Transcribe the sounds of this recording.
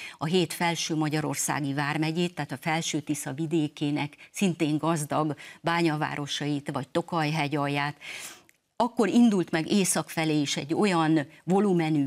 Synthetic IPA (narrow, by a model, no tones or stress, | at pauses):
ɒɦeːt̪fɛlʃøːmɒɟɒɾo̞̰rsa̰ːɡivaːrmɛɟeːt̪ːaːt̪ɒfɛlʃøːt̪isɒvid̪eːkeːnɛksint̪eːŋɡɒzd̪ɒɡbaːɲɒva̰ːɾo̞ʃɒit̪vɒc̚t̪o̞kɒjɦɛɟɒjːaːt̪ | ɒkːo̞ɾind̪ult̪mɛɡeːsɒkfɛleːiʃɛɟːo̞jɒnvo̞lumɛnyː